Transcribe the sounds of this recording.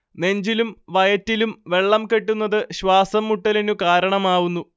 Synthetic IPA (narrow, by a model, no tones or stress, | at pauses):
ne̞ɲd͡ʑilumʋɐjɐtːilumʋe̞ɭːɐmke̞ʈːunːɐðɨɕʋaːsɐmːuʈːɐlenukaːɾɐɳɐmaːʋunːu